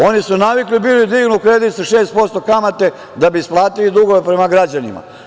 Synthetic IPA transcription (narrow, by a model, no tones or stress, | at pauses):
o̞nisunaʋiklibilid̪iːɡnukɾed̪it̪saʃe̞ːst̪̚po̞st̪okamat̪e̞ | d̪abiːsplˠaːt̪ilid̪uɡo̞ʋe̞pɾe̞maɡɾad͡ʑanima̰